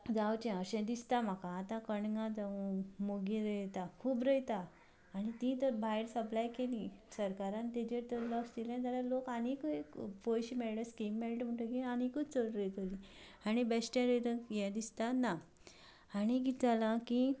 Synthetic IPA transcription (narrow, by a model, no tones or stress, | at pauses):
d͡zawt͡ɕɛ̃əɕɛ̃d̪ist̪am̤akaːt̪ãkəɳŋãd͡zaũmoɡĩɾəɦjt̪akʰuːbɾəjt̪aː | ɽ̃it̪ĩt̪əɾbʱajɽsəplajkelĩsəɾkaɾãnt̪ɛd͡ʑeɾt̪əɾləɡst̪ilãt̪jalalokanikekpojɕimɛɭɖəskimːɛɭʈm̤əʈə̃kĩanikət͡səɽɾəjt̪ʰəliaɽ̃ibɛsʈẽɾət̪əjɛ̃d̪ist̪ana | aɽ̃iɡit̪alaki